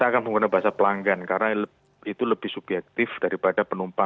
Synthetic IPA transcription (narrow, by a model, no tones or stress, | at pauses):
t̪aːkanmuŋkunabaɦasapəlaŋɡankaɾənal | it̪uləb̥ɪhsub̥jɛk̚t̪ɪfd̥aɾipadapənumpa